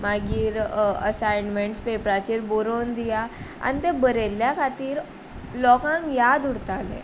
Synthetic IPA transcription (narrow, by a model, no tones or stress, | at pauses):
maɡiːɾə̰sajnmeɳʈspepɾat͡ɕiːɾboɾond̪ijaa̰nit̪ebəɾeljakʰat̪iːɾ | lɔkãŋkjad̪uɽt̪alḛ̃